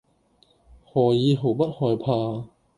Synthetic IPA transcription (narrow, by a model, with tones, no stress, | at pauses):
hɔː˨˩jiː˨˧ɦo˨˩wpɐ˥t̚hɔː˨˩jpʰaː˧